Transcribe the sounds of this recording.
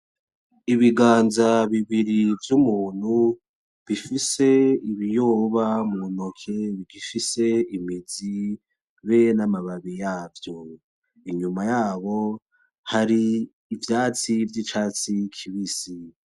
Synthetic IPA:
iβiɡaːnzaβiβiɾivjumuːn̥hu | βifise̞iβijoːβamŋunokʰe̞βiɡifise̞imizi | βenamaβaβijaːvjo̞ | iɲumajaːβo̞ | haɾiː | vjaːt͡sivjit͡ʃaːt͡sikʰiβisi

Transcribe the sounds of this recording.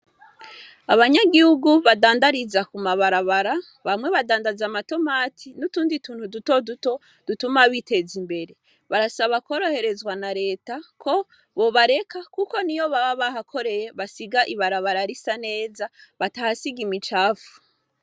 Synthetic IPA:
aβaɲaɡihuɡuβadaːndaɾizakumaβaɾaβaɾa | βamŋwe̞βadaːndazamato̞maːtʰinutuːndituːn̥huduto̞duto | d̥utumaβite̞zimbe̞ɾe̞ | βaɾasaβako̞ːɾo̞he̞ɾe̞zɡwanaɾe̞ːtakʰo̞ | βo̞βaɾe̞kakuko̞nijo̞βaβaβahakʰo̞ɾe̞je̞βasiɡaʔiβaɾaβaɾaɾisane̞ːzaβatahasiɡimit͡ʃaːfu̥

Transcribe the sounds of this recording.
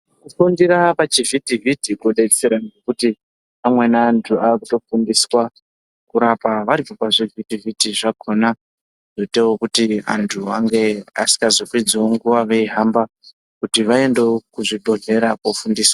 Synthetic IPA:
kufundiɾapat͡ʃivitivitikoɗet͡seɾaŋɡekuti | amwe̞naːntʰuakuto̞fundiswa | kuɾapaʋaɾipo̞paʐevitivitiʐakʰo̞na | ʐ̥otewokutia̰ntʰuaŋɡe̞a̰si̥ŋɡazopid͡zeoŋɡuʋaʋe̞iɦamba | kutiʋae̞ndekuʐiɓoɮe̞ɾakofundiːswḁ

